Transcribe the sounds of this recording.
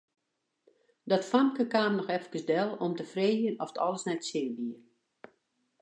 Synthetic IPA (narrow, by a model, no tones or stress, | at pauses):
dɔtfamkəkaːmnɔxɛfkəsdɛlˠɔmtəfreːjənɔfətʰɔ̰lˠəsnɛtsɪbiə